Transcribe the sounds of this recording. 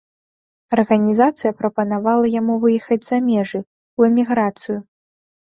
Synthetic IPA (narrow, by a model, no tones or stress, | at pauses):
ɐrɣɐnʲizat̪sɨjɐpɾɐpɐnavalˠɐjamuvɨjɛxɐd͡zʲz̥ɐmʲɛʐɨ | uɛmʲiɣɾat̪sɨju